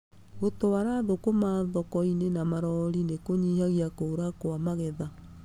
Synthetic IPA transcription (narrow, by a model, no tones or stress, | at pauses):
ɣotowaɾaðokomaðɔkɔinenamaɾɔɾinekoɲihaɣiakoːɾakoamaɣɛða